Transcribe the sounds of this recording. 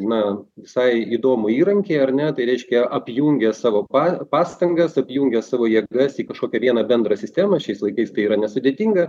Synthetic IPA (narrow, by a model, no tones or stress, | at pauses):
nɐʋʲɪsɐɪid̪oːmʊiːɾɐŋʲkʲeːɐrnʲɛt̪ɐɪɾʲɛɪʃʲkʲɛʔɐpʲjuŋʲɡʲɛsɑːʋoːpɑpɑːst̪ɐŋɡɐsɐpʲjuːŋʲɡʲɛsɑːʋoːjiɛɡɐsiːkɐʃkoːkʲɛʋʲiɛnɐbʲɛnd̪ɾɐsʲɪsʲt̪ʲæːmɐʃʲɛɪslˠɐɪkɐɪst̪ɐɪiːɾɐnʲɛsʊd̪ʲeːt̪ʲiːŋɡɐ